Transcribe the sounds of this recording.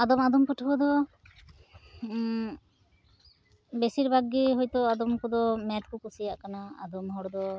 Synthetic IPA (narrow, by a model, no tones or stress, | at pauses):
ad̪ɔmad̪ɔmkɔʈʰɔbɔd̪ɔ | besiɾbʱaɡiɦɔjt̪ɔad̪ɔmkɔd̪ɔmɛt̪kukusijaʔkanaa̰d̪ɔmɦɔɽɔd̪ɔ